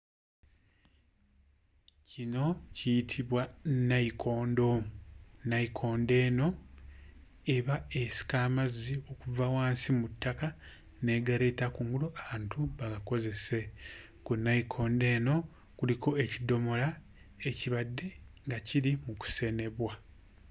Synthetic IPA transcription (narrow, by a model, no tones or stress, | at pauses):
cino̞cijitʰiβwanːaikʰo̞ːndo̞mnːaikʰo̞ːnde̞ːno̞ | e̞βaesi̥kaːmazːio̞kuvawaːnsimutːaka | ne̞ːɡaɾe̞ːtakuŋɡuluʔaβaːntuβaɡako̞ze̞se̞ | kunːaikʰo̞ːnde̞ːno̞ | kulikʰo̞ecido̞mo̞la | eciβadːe̞ŋɡacilimuku̥se̞ne̞βwa